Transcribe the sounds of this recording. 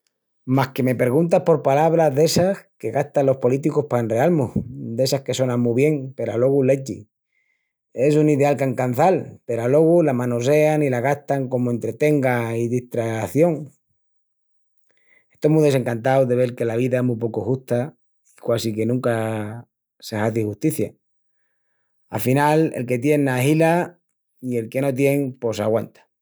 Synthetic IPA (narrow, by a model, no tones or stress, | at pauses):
maske̞me̞pe̞ɾɣ̞unt̪ahpo̞ɾpalaβ̞ɾazðe̞saske̞ɣast̪alo̞hpo̞lit̪̬ikohpaenrealmud̪e̞sahke̞so̞nãŋmuβje̞ŋpe̞ɾalo̞ɣule̞t͡ʃḭ | e̞suniðealkaŋkan̟θalpe̞ɾalo̞ɣ̞ulamãnose̞anilaɣast̪aŋko̞moe̞nt̪ɾe̞t̪e̞ŋɡaiðiht̪ɾaθjo̞ŋ | e̞ht̪omuðese̞ŋkant̪̬awðe̞β̞e̞ɾke̞laβ̞iðaemup̬okoxuht̪a | ikwasike̞nũŋka | sehaθixuht̪iθja | a̰finalḛlke̞t̪je̞nːaɦila | ie̞lke̞no̞t̪̬je̞ŋpo̞saɣwant̪ḁ